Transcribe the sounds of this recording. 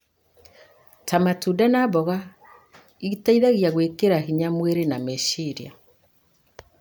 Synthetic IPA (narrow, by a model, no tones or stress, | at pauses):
tamatudanabɔɣa | iɣitaiðaɣiaɣwekeɾahiɲamweɾenameʃiɾia̰